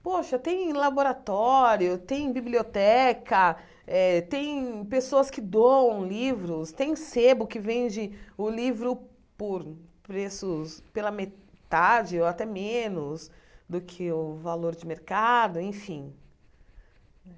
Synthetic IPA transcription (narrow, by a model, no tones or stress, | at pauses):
poʃɐt̪ẽj̃laboɾat̪ɔɾjʊt̪ẽj̃bibliot̪ɛkɐ | ɛt̪ẽj̃pesoɐskɪd̪oɐ̃w̃livɾʊst̪ẽj̃sebʊkɪvẽd͡ʒɪʊlivɾʊ | pʊɾ | pɾesʊspelɐme | t̪ad͡ʒɪoat̪ɛmẽnʊsd̪ʊkʰɪʊvaloɾd͡ʒɪmeɾkad̪ʊẽj̃fĩ | ɛ